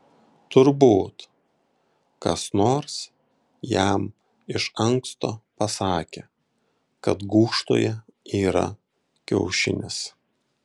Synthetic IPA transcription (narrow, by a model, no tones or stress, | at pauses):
t̪ʊɾbuːt̪ | kɐsnoːɾs | jæm | ɪʃɐŋkst̪oːpɐsɑːkʲe | kɐt̪ɡuːʃt̪o̰ːjɛiːɾɐ̰ | kʲɛ̰ʊʃʲɪ̰nʲɪs